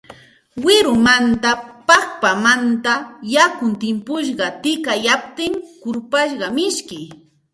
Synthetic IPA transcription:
wɪɾʊmant̪apɑkpamant̪ajakʊnt̪ɪmpʊʃ̬ɢɑt̪ɪkajap̚t̪ɪŋkʊɾpaʃɢɑmɪʃkɪ

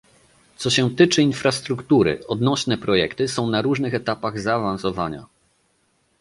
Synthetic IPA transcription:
t̪sɔɕɛt̪ɘt͡ʂɘinfɾast̪ɾukt̪uɾɘ̰ɔd̪nɔɕnɛpɾɔjɛkt̪ɘsɔ̃w̃naɾuʐnɘxɛt̪apaɣzaːvansɔvaɲa̰

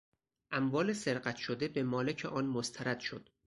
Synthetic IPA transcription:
ʔæmvɒːlese̞ɾɢæt̪ʃod̪e̞be̞mɒːlecʰḛʔɒːnmost̪ʰæɾæd̪̥ʃo̰d̪̥

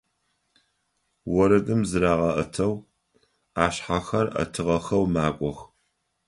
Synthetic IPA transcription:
wɔɾɐdʼɨmzɨɾaːʁɐʔɐtʰɐw | aːɕħaxɐrɐ̰tʰɨʁɐxɐwmaːkʷʼɔx

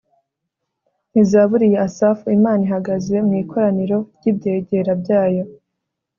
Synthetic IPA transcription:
nizaːβuɾije̞asaːfuimaːniɦaɡaze̞mŋiːkʰo̞ɾaniɾo̞ɾɟiːbɟe̞ːɟe̞ɾabɟaːjo̞

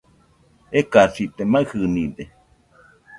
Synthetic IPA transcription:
ekasit̪emahɨnĩde

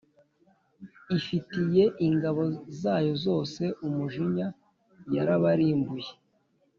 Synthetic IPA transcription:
ifitije̞ʔiŋɡaβo̞zaːjo̞zo̞ːse̞ʔumuʒiɲa | jaɾaβaɾiːmbuje

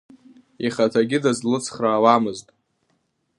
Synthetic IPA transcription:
iχatʰaɡʲɪdazlɨt͡sʰχraːwamɨztʼ

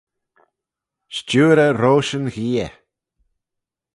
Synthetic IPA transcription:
ʃt͡ʃuːɾəɾoːʃənɣiːə

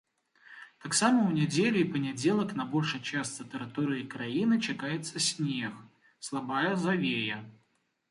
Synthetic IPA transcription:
t̪aksaməʊnʲɛd͡zʲelʲɪipənʲɪd͡zʲelˠəknɐbolʲʂɨjt͡ɕast̪sɨt̪əɾat̪uɾɨikɾainɨt͡ɕɪkajɪt̪səsʲnʲex | slˠabajəzɐvʲejə

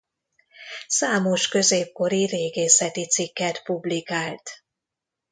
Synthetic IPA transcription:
saːmo̞ʃkø̞zeːp̚ko̞ɾiɾeːɡeːsɛt̪it̪sikːɛt̪publikaːlt̪

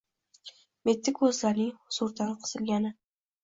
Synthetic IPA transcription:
me̞t̪ʰːɪkʰɵzlaɾnɪŋhʊz̥ʊɾd̪anqʰɨ̥z̥ɪlɡʲanɪ

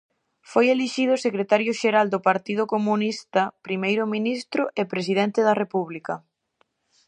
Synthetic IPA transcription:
fojeliʃið̞ʊsekɾet̪aɾjʊʃeɾald̪ʊpaɾt̪ið̞ʊkomunist̪ɐpɾimejɾʊminist̪ɾʊʔepɾesið̞ɛnt̪ɪðɐrepuβlikɐ

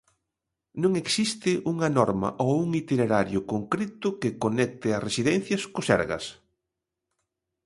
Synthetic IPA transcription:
nõŋeksist̪ɪʔuŋɐnɔɾmɐ̰ʔowuŋit̪ineɾaɾjʊkoŋkɾet̪ʊkɪkonɛk̚t̪ɪɐsresiðɛ̃n̟θjɐskʊsɛ̰ɾɣɐ̰s

